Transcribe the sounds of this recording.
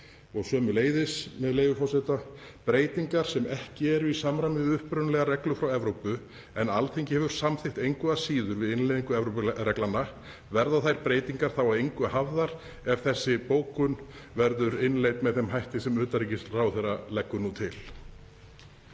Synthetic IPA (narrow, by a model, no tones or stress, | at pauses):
ɔɣsœːmʏleːjðɪsmɛðleːjvʏfɔsɛt̪apɾeːjt̪iŋkaɾ̥sɛmɛhcɪɛɾʏisamɾajmɪðʏhpɾʏnlɛɣaɾɛklʏfɾawɛvɾowpʏ | ɛnalθʰejŋcɪhɛvʏɾ̥samθɪht̪ejŋkvʏðasiːðʏɾvɪðɪnlejðiŋkʏɛvɾowpʏɾɛklanːa | vɛɾðaθajɾ̥pɾeːjt̪iŋkaɾ̥θawaðejŋkvʏaɦavðaɾ̥ | ɛv̥θɛsːɪpoːwkʏnvɛɾðʏɾɪnlejt̪mɛðθɛmɦajht̪ɪsɛmʏːt̪aɾicɪst̪rawθɛrːalɛkːʏnut̪ʰɪl̥